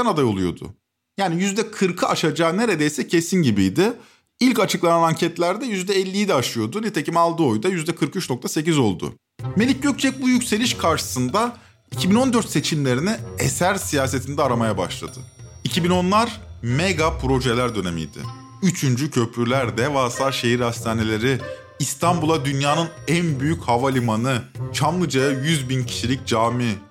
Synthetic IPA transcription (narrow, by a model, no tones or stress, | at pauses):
ɛnad̪ajo̞lˠujo̞̰d̪ʊ̰ | jaːnijyzd̪ɛkʰɯɾkʰɯʔaʃad͡ʒaːne̞ɾe̞d̪e̞jsɛcʰe̞sinɟibijd̪ɪ | ilʲcat͡ʃʰɯklˠananaɲcʰɛt̪lʲæɾd̪ɛjyzd̪ɛɛlʲːijid̪ɛaʃɯjo̞d̪unɛt̪ʰe̞cimalˠd̪ɯo̞jd̪ajyzd̪ɛkʰɯɾkyt͡ʃno̞k̚t̪ʰase̞c̬izo̞lˠd̪ʊ̰ | me̞lʲic̚ɟøc̚sɛc̚bujycse̞lʲiʃkʰaɾʃɯ̥sɯnd̪a | icʰibino̞nd̪øɾt̪se̞t͡ʃʰimlʲe̞ɾinɪḛsæɾsijaːse̞t̪ʰind̪ɛaɾamajabaʃlˠa̰d̪̥ɯicʰibino̞nlˠaɾmeɡapʰɾo̞ʒe̞lʲæɾd̪ø̞ne̞mḭjd̪̥ɪ̰ | yt͡ʃʰynd͡ʒycʰø̞pʰlyɾlʲæɾd̪ɛvaːsˠaɾʃe̞ɦiɾhast̪ʰaːne̞lʲe̞ɾɪː | st̪ʰambulˠad̪ynjaːnɯnænbyjychavalʲimanɯt͡ʃʰamlˠɯd͡ʒajajyzbincʰi̥ʃilʲic̚d͡ʒaːmi